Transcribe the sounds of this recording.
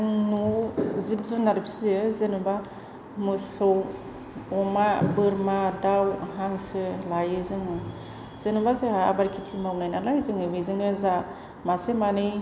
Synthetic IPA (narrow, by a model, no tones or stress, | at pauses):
ŋnuzip̚zunaɾɯpʰszɯzenuba | mɯsɯw | ɔmabɯɾmadawɦaŋsɯlajɯzɯŋɯ | z̥enubazeabaɾkʰitʰimawnajnalajzɯŋɯbizɯŋɯza | masemanɯj